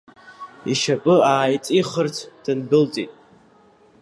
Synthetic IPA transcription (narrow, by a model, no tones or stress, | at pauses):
iʃapʼɨaːjt͡sʼiχərt͡sʰd̥ɨnbɨlt͡sʼitʼ